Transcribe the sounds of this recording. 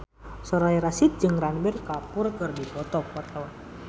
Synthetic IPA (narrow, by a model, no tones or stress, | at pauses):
sɔɾaiɾasit̪̚d͡ʒɨŋranbirkapurkɨrdibɔt̪ɔkwart̪awan